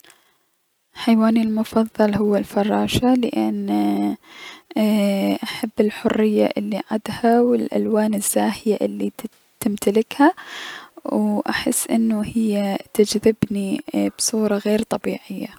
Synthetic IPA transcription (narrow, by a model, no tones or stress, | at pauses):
ħajwaːnilmʊfɑðˤːɑlɦʊwːalfɑrˤːɑːʃalɪʔɪn | ʔaħabːɪlħʊrːɪjːa̰ʔɪlːiʕad̪hawɪlʔa̰lwaːnɪz̥ːaːhɪjaʔɪlːi | t̪ɪmt̪alɪkha | wʔaħɪ̰sːʔɪ̰nːʊhɪjːat̪ad͡ʒðɪbnib̥sˤuːɾˤɑɣeːɾt̪ˤɑbiːʕɪjːa